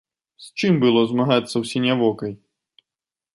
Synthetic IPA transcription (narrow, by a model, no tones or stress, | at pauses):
sʲt͡ʃɪmbɨlˠɔzmaɦat̪sʲːɐwsʲinʲaʋɔkɐj